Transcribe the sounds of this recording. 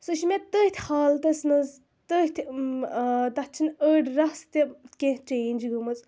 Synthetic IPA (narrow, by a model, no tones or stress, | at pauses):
suʃmet̪əht̪ʰʲhaːlt̪ɐsnɐz | t̪əht̪ʰʲ | t̪ɐt͡ʃʰinəːɖɾɐst̪ʲikẽt͡ʃeːnʲd͡ʒɡəmɐz